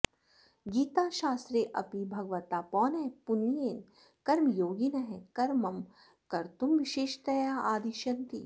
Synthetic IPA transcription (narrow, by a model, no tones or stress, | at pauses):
ɡiːt̪aːʃaːst̪ɾeːʔɐpibʱɐɡʋɐt̪aːpɔːnɛɦpunijeːn | kɐɾmjoːɡinɐɦɛ̃kɐɾmɐm | kɐɾt̪umʋiʃeːʃt̪ɐjaːʔaːd̪iʃɐnt̪ḭ